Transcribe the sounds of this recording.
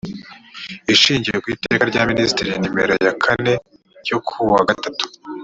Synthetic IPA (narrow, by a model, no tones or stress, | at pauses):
iʃiːɲɟijekwiːte̞ːkaɾɟaːminisi̥tiɾijnimḛɾḛjakʰane̞ | ɾj̥okʰuwaɡatatu̥